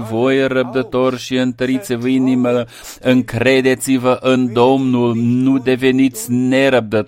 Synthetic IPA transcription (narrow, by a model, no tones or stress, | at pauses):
vo̞jɾəb̚d̪ət̪o̞rʃiɨnt̪əɾit̪sevəinimə | ɨŋkɾe̞d̪e̞t̪sivəʔɨnd̪o̞mnulnud̪e̞ve̞nit̪sʲne̞ɾəb̚d̪ət̪